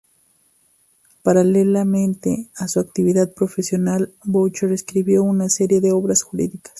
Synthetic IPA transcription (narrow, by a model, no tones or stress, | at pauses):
paɾalelamẽnt̪easuakt̪iβiðað̚pɾo̞fesjo̞nalbowt͡ʃoɾeskɾiβjo̞unaseɾje̞ðeo̞βɾasxuɾḭðikḁs